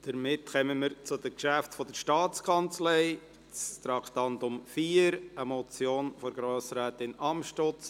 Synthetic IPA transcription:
d̪̥əɾmɪtxɛməməɾt͡sʊdəkʃæftfɔd̥əɾʃtɑːt͡skʰɑnt͡slɛɪ | t͡st̪ɾɑkt̪ɑntʊmfiːəɾəmɔt͡sjoːnfɔɾɡɾoːsɾæːt̪ɪnɑmʃtot͡s

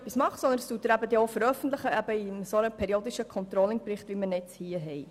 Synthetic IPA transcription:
pismɑχsɔnd̪ənst̪uːtːəɾæbəd̪ɛofəɾœfən̩t̪ləχəæbəisonəpʰɛɾioːd̪iʃəkʰɔnt̪ɾɔlɪŋpɾɪχt̪ʋimənɛt͡shiːəɦɛj

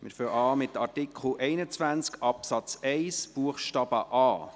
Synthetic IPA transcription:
mɪɾføʔɑːmɪt̪ɑrtikʰχl̩ʔɛɪnət͡sʋænt͡skɑpsɑt͡sɛɪsb̥uəχʃtɑb̥əʔɑː

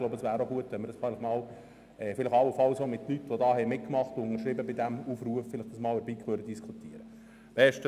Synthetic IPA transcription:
loʊbəəsʋæːɾoɡuətʋɛnmɪɾdɑsfæɪlɪχmɑːl | ɛːfɪlɪχɑwəfɑlsoːmɪtlytʋodɑːhɛɪjmɪt̚kmɑχtʊʊŋəɾʃɾɪbəbɪdæmuːfruəfːɪlɪχd̥əsmɑːləɾbiːkʰʋøːɾdəd̥iskʰut̪iəɾə | b̥ɛʃtə

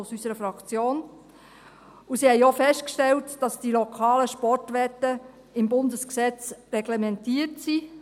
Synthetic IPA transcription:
ʊsysəɾəfɾɑkt͡sjoːn | usihɛjofɛst̚kʃtɛltd̥ɑsd̥ilɔkʰɑːləʃpɔrtʋɛtːə | ɪmbʊndəsksɛt͡srɛɡlemɛntiːətsi

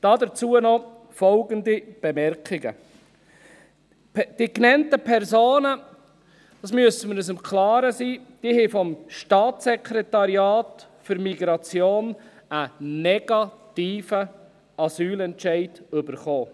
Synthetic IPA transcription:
d̥ɑːd̪ət͡suːənɔ | fɔlɡəndib̥emɛɾkɪɡə̰ | d̥iknɛntəpʰɛɾzoːnə | d̥ɑːsmyəsəməɾəs̬ɪmkʰlɑːɾəsiːd̥iːhɛfɔmʃtɑːtsɛkʰɾɛtɑɾjɑːt | fʏɾmiɡɾɑt͡sjoːn | ənɛɡ̥ɑt̪iːfə | ɑsyːlɛntʃæɪdʏbəɾχoː

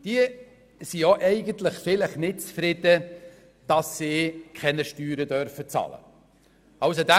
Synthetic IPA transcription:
d̥iə | sijoʔɛɪɡənt̪ləχfɪləχnɪt̚t͡sfɾɪd̪̥ə | d̥ɑsːiːkʰχɛnəʃtyːɾəd̪œɾfət͡sɑ̰lə̰ | ɑwsod̪æ

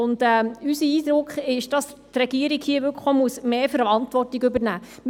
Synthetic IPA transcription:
ʊnd̥ɛːysəiːdɾʊkχɪʃd̥ɑs | tɾɛɡ̥iəɾiɡhiəʋʏɾkχomuəsmeːfəɾɑntʋɔrtiɡøbəɾnæː | m

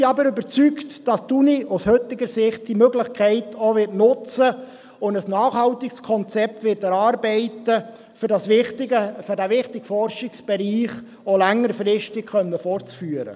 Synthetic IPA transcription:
iɑbəɾʏbəɾt͡syktd̥ɑstuniushɵtɪɡəɾsɪχt̚d̥imøɡlɪχkʰɛɪtʰoːʋɪrtnʊt͡sə | ʊndəsnɑːχhɑltɪkskʰɔnt͡sɛp̚tʋɪːtæɾɑːɾbɛɪtə | fdɑsɪtɪɡəføɾdæʋɪχtɪɡfɔrʃɪksb̥ɛɾiːχ | olæŋːəɾfɾɪʃtɪkχœnːəfɔrt͡sfyːəɾə̰

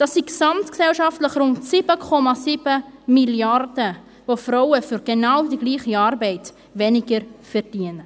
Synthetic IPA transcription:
d̥ɑsiksɑmtksɛlʃɑftləχrʊntsib̥əkʰɔmɑsib̥əmiljɑrd̥ə | vofɾawəfʏɾɡ̥enawdiɡliːχiɑːɾbɛɪt | ʋɛnɪɡəɾfɛɾd̥iənə

